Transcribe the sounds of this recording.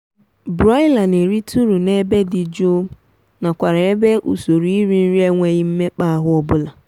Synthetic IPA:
bɾɔ˦ɪ˦la˨ne˨ɾi˦tu˦ɾu˨ne˦be˦dɪ˨d͡ʒo˦ | na˨kʷa˨ɾa˨e˦be˦ʔu˨so˨ɾi˦i˦ɾi˨n̩˦ɾi˦e˦ŋʷe˨ɣɪ˦m̩˦me˦k͡pa˦a˦ɦʊ˦ɔ˦bʊ˦la˨

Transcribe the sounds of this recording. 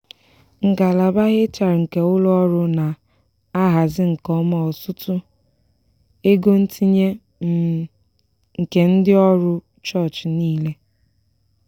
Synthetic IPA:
ŋ̩˨ka˨la˨ba˦ɣɪ˦t͡ʃa˨ɾŋ̩˨ke˨ʊ˦lʊ˦ɔ˦ɾʊ˦na˨ | a˦ɦa˨zɪ˦ŋ̩˨kɔ˦ma˦˨ɔ˨sʊ˦tʊ˦ | e˦ɡo˦n̩˦tʰi˦ɲe˦ | ŋ̩˨ke˨n̩˦dɪ˦ɔ˦ɾʊ˦ | t͡ʃɔ˦˨t͡ʃniː˦le˦

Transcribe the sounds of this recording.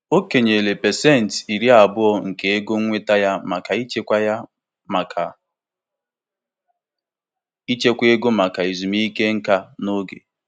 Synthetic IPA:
o˦ke˨ɲe˨le˨pɛ˨sɛ˦˨n̩˨ti˨ɾi˦a˨bʊ˦ɔ˦ŋ̩˨ke˨e˦ɡo˦ŋ˦ŋʷe˦ta˦ja˦ma˨ka˨i˦t͡ʃe˦kʷa˦ja˦ | ma˨kʰa˨ | i˦t͡ʃe˦kʷe˦ɡo˦ma˨ka˨i˨zu˨mi˦i˦ke˦ŋ̩˦ka˦no˦ɡḛ˨

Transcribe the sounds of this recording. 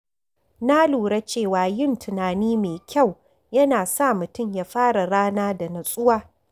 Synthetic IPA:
na˦luː˨ɽa˦t͡ʃeː˦˨waː˨jɪ˦˨ntʰɪ˨naː˨niː˦meː˨kʲa˦˨w | jɐ˦naː˨sa˦˨mʊ˨tʊ˦mja˦ɸaː˦ɽa˨ɽaː˦naː˦da˨nɐ˨sʼʊ˦waː˦

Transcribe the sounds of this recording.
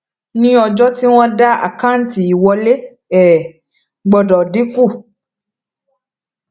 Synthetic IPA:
nĩ˦ɔ˧d͡ʒɔ˦ti˦w̃ɔ̃˦da˦a̰˨ka˦n̩˨ti˨i˨wɔ˧le˦ | ɛ˦˨ | ɡ͡bɔ˧dɔ˨di˨˦ku˦˨

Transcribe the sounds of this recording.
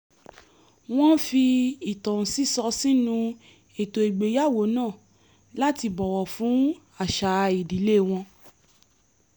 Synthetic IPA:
w̃ɔ̃˦fi˧i˨tã˨si˦sɔ˧si˦nũ˧ | e˨to˨i˨ɡ͡be˨˦ja˦˨wo˨˦nãː˦˨ | la˦ti˧bɔ˨wɔ˨fũ˨˦ | a˦˨ʃa˨˦i˨di˨˦le˦˨w̃ɔ̃˧

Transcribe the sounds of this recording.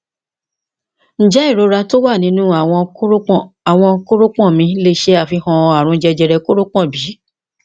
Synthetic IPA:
n̩˨d͡ʒɛ˨˦i˦˨ɾo˨˧˦ɾa˧to˦wa˦˨nĩ˧˦nũ˦a˨w̃ɔ̃˧˦˨a˨w̃ɔ̃˧ko˦ɾo˦k͡pɔ̃˦˨mĩ˧le˦ʃe˦a˦˨fi˧hɔ̃˧a˨ɾ̃ũ˨˦d͡ʒɛ˧d͡ʒɛ˧ɾɛ˧ko˦ɾo˦k͡pɔ̃˦˨bi˨˦

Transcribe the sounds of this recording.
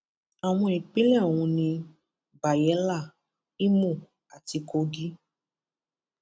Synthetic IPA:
a˨w̃ɔ̃˧i˨k͡pe˦lɛ˦˨o˨w̃ũ˧nĩ˧ | ba˨jɛ˨˦la˦˨ | i˦mũ˦˨ | a˨ti˧ko˧ɡi˦

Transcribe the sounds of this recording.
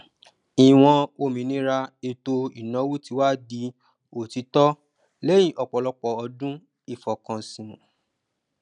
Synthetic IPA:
i˨w̃ɔ̃˧o˧˨mĩ˨˦nĩ˨˦ɾa˧e˧to˧i˨nã˨˦wu˦ti˧˦wa˦di˧ | o˨ti˨˧˦tɔ˦ | le˦j̃ĩ˨ʔɔ˨k͡pɔ˨lɔ˧k͡pɔ˨ɔ˧dũ˦ | i˦˨fɔ˨kã˨sĩ˨ũ˨

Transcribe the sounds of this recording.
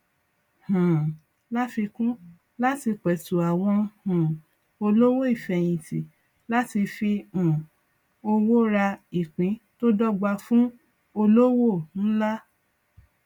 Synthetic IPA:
hã˨ | la˦fi˧kũ˦ | la˦ti˧k͡pɛ˨tu˨a˨w̃ɔ̃˧hũ˨ | o˧lo˦wo˦i˦˨fɛ˨j̃ĩ˨ti˨ | la˦ti˧fi˧ũ˨ | o˧wo˦ɾa˧i˨k͡pĩ˨˦to˦dɔ˦ɡ͡ba˧fũ˦ | o˧lo˦wo˦˨n̩˦la˦

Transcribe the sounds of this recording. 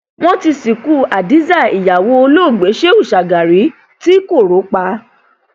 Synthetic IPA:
w̃ɔ̃˦ti˧si˨ku˦˨a˨di˨˦za˦˨i˨ja˨wo˧˦o˧loː˦˨ɡ͡be˨˦ʃe˦u˦˨ʃa˨ɡa˨ɾi˨˦ | ti˦ko˦˨ɾo˨˦k͡pa˧

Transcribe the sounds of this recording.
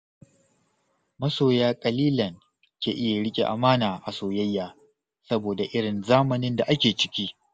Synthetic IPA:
mɐ˦soː˨jaː˦kʼɐ˨liː˦lɐ˨ŋ | kʲeː˨ʔɪ˦ja˨ɽɪ˦kʲʼḛ˨ʔa̰˨maː˦naː˨ʔa˨soː˨jɐ˦jːaː˦ | sɐ˦boː˨da˨ʔɪ˦ɽɪ˨nzaː˦mɐ˨nɪ˦nda˨ʔa˦kʲeː˨t͡ʃɪ̥˦kʲiː˦

